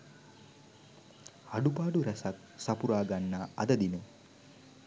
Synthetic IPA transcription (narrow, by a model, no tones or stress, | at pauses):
haɖubaːɖuɾɛsak̪̚ | sapuɾaːɡanːaɐ̰d̪əd̪inə